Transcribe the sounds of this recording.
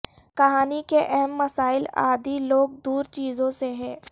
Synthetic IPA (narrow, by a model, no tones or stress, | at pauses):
kɐɦaːnikeʔɛɦɛmːɐsaːɪla̰ːd̪ʱiloːɡ̚d̪uːɾt͡ʃiːzõseɦɛ̃ː